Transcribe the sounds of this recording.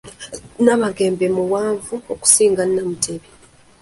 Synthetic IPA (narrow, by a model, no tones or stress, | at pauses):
naβaɡe̞ːmbemuwaːɱvuoku̥siːŋɡanːamutʰe̞βe